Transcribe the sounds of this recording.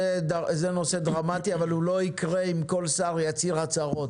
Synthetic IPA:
edzeno̞sed̪ʁamat̪iavalulo̞ikʁeimko̞lsaːʁjat͡siʁat͡saʁo̞t̪

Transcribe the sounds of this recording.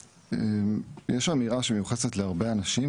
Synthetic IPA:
ejeʃamiʁaʃemejuχesetleaʁbe̞anaʃim

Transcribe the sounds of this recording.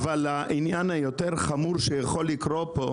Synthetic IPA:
valaʔinjanhajo̞t̪eʁχamuʁʃejaχo̞lːikʁopo̞

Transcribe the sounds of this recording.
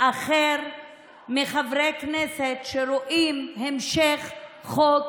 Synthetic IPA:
ʔaχeɾ | miχavɾekneset̪ʃeɾoʔimhemʃeχχok

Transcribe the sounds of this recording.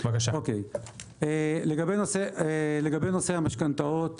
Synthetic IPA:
vakaʃaokej | eleɡabenoseeleɡabenosehamaʃkant̪aot̪

